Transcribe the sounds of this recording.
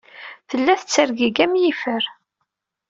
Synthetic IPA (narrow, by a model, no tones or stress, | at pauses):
θəlːæθət͡sːəɾɡiɡæmjifəɾ